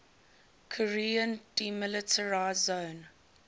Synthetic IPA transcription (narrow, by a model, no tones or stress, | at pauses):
kʰɔɹiːə̃nd̥imɪlɪtʰəɹaɪzːõʊn